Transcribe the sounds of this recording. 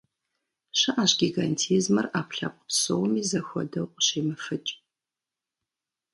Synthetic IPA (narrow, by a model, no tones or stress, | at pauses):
ɕɐʔaːɕɡʲiɡantʰiːzmɐraːpɬa̰qʷʼʊ̥psowmiːzɐxʷɔ̰dɐwqʷʼɕiːmɨfɨt͡ʃʼ